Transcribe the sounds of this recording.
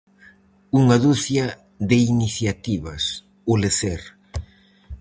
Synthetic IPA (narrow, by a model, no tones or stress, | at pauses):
uŋaðuθja | ðɪiniθjat̪iβɐs | oleθeɾ